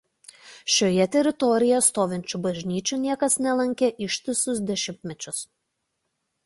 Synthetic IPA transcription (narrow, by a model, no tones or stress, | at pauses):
ʃʲoːjɛt̪ʲɛɾʲɪt̪ɔɾʲɪjɛst̪oːʋʲɪnʲt͡ʃʲubɐʒʲnʲiːt͡ʃʲuːˑnʲiɛkɐsnʲɛlˠɐŋʲkʲeʔɪʃʲt̪ʲɪsʊsd̪ʲɛʃʲɪmʲt̪ʲmʲɛt͡ʃʲʊs